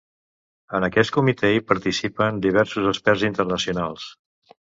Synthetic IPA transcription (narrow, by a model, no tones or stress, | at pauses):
ənəkɛst̪̚kumit̪ɛipəɾt̪isipənd̪iβ̞ɛɾsuzəspɛrzint̪ərnəsiunalˠs